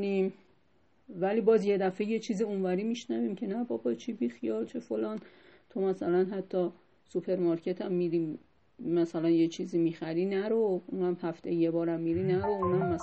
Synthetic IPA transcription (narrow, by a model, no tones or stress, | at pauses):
nim | væliːbɒːzje̞d̪æfeje̞t͡ʃʰiːziunvæɾiːmiʃnæviːmcʰe̞næbɒbɒt͡ʃʰibixijɒːlt͡ʃʰefo̞lɒːnt̪ʰomæsælænɦæt̪ʰːɒ | supʰe̞ɾmɒɾcʰe̞t̪ʰæmːid̪i | mæsælænjet͡ʃʰiːziːmixæɾiːnæɾoʔunæmhæft̪ejebɒːɾæmːiɾiːnæɾounæmːæs